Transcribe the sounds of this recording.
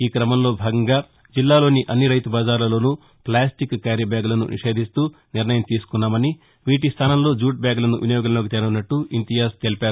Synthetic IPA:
iːkɾɐmɐmlo̞ːbʱaːɡɐŋɡaː | d͡ʒilːaːlo̞ːniʔɐnːiɾɐjt̪ubaːd͡ʒaːɾlɐlo̞ːnu | plaːsʈikkaːɾjɐbjaːɡulɐnṵnḭʂe̞ːd̪ʱist̪uː | niɾnɐjɐmt̪iːsu̥kunːaːmɐni | ʋiːʈist̪ʰaːnɐmlo̞ːd͡ʒuːʈ̚bjaːɡulɐnuʋinɐjoːɡɐlɐloːkit̪enɐunːɐʈːuint̪ijaːst̪elipaːɾ

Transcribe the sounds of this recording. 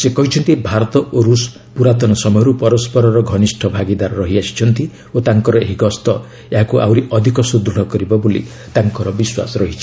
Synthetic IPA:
sekɔɦit͡ʃʰɔnt̪ibʱaɾɔt̪ɔoɾus | puɾat̪ɔnɔsɔmɔjɔɾupɔɾɔspɔɾɔɾɔɡʱɔnisʈʰɔbʱaɡid̪aɾɔɾɔɦiasi̥t͡ʃʰɔnt̪i | ot̪aŋkɔɾɔeɦiɡɔst̪ɔ | eɦakuʔa̰wɾiʔɔd̪ʱikɔsud̪ɾuɽɔkɔɾibɔbolḭ | t̪aŋkɔɾɔbiswa̰sɔɾɔɦit͡ʃʰi̥

